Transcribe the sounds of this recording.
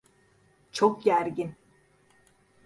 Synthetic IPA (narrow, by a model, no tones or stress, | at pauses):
t͡ʃʰokɟæɾɟin